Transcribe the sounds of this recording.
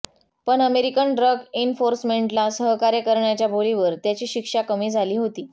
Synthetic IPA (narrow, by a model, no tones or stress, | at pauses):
pəɳəmeɾikəɳɖɾəɡenfoɾsmeɳʈlasəɦkaɾjəkəɾɳjat͡ɕjabʱoliʋəɾt̪jat͡ɕiːɕikʂakəmiːd͡zʱaliːɦot̪iː